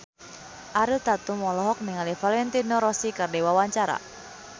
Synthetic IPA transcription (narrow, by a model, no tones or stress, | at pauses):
ʔaɾut̪at̪umɔlɔɦɔk̚niŋalifalɛnt̪inɔɾɔsikardewawaɲt͡ʃaɾa̰